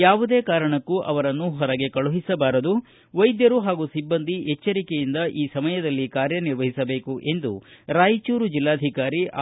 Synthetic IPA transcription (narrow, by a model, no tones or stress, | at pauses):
jaːʋud̪e̞ːkaːɾɐɳɐkːuʔɐ̰ʋɐɾɐnːuɦɔɾɐɡe̞kɐɭuɦisɐbaːɾɐd̪u | ʋɐjd̪jɐɾuɦaːɡusibːɐnd̪ʱiɛt͡ʃːɐɾikejind̪ɐʔiːsɐmɐjɐd̪ɐlːikaːɾjɐniɾʋɐɦisɐbe̞ːkuʔe̞nd̪ṵɾaːjit͡ʃuːɾud͡ʒilːaːd̪ʱikaːɾi